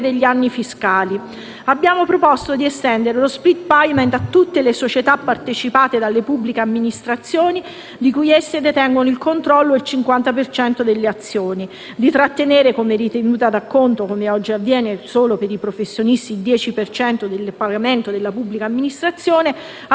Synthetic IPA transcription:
d̪eʎːianːifiskaːli | abːjaːmopɾopɔst̪od̪iɛst̪ɛnd̪eɾelospɾit̪̚pajment̪at̪ːut̪ːelesot͡ʃet̪apːart̪et͡ʃipaːt̪ed̪alːepubːlikeamːinist̪ɾat̪sːjoːni | d̪ikujɛsːed̪et̪ɛŋɡonoilkont̪ɾɔlːoelt͡ʃiŋkwant̪apert͡ʃɛnt̪od̪elːeat̪sːjoːni | d̪it̪ɾat̪ːeneːɾekomerit̪enuːt̪ad̪akːont̪okomeɔd͡ʒːiavːjɛːnesoːlopeɾipɾofesːjonist̪iːld̪jɛːt͡ʃipert͡ʃɛnt̪od̪elːpaɡament̪od̪elːapubːlikaːmːinist̪ɾat̪sːjoːne

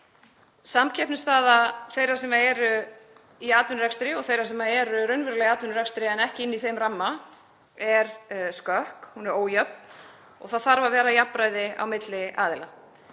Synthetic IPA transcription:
samcʰɛhpnɪst̪aːðaθejɾḁsɛmaɛɾʏ | iaːt̪vʏnɾɛkst̪ɾɪɔɣθejɾaɾsɛmaɛɾʏɾœɥnvʏɾʏlɛɣaːt̪ʏnɾɛkst̪ɾɪɛnɛhcɪɪnːiθejmramːa | ɛɾskœhkhunɛɾoːwjap̚n̥ | ɔ̰ɣθaðθaɾvavɛːɾajapːɾaːjðɪa̰wmɪt̪lɪaːðɪla

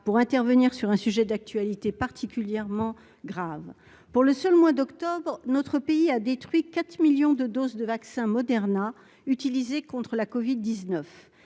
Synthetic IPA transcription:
puʁɛ̃t̪ɛʁvəniʁsyʁɛ̃syʒɛd̪ak̚t̪ɥalit̪epaʁt̪ʰikʲyljɛʁmɑ̃ | ɡʁav | puʁləsœlmwad̪ɔkt̪ɔbʁnɔt̪χəpeiad̪et̪χɥikat̪miljɔ̃d̪əd̪ozd̪əvaksɛ̃mɔd̪ɛʁna | yt̪ilizekɔ̃t̪χəlakɔvid̪ːiznœf

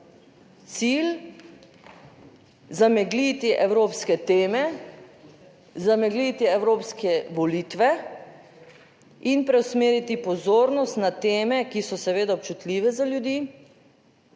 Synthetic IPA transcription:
t̪siːl | zamɛɡliːt̪iʔɛwɾoːpskɛt̪eːmɛ | zamɛɡliːt̪iɛwɾoːpskɛʋɔliːt̪ʋɛ | inpɾɛwsmeːɾit̪ipɔzoːɾnɔst̪nat̪eːmɛkisɔsɛʋeːd̪aɔp̚t͡ʃut̪liːʋɛzaljud̪iː

